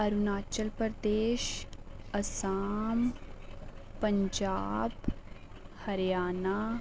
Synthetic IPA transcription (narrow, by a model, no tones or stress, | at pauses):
ɐɾunaːt͡ʃəlpəɾd̪eːʃɐsaːm | pɐ̃ɲd͡ʒaːb | hɐɾjaːnaː